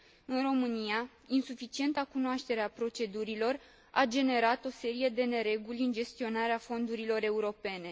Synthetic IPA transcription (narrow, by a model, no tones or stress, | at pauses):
ɨnro̞mɨnija | insufit͡ʃie̞nt̪akunoaʃt̪e̞ɾeapɾo̞t͡ʃe̞d̪uɾilo̞r | ad͡ʒe̞ne̞ɾat̪o̞se̞ɾije̞d̪e̞ne̞ɾe̞ɡulʲɨnd͡ʒe̞st̪io̞naɾeafo̞nd̪uɾilo̞ɾe̞uɾo̞pe̞ne̞